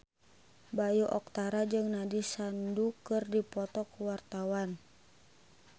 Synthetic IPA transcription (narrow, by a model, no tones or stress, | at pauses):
bajuʔɔk̚t̪aɾad͡ʒɨŋnadisandukɨrdipɔt̪ɔkuwart̪awan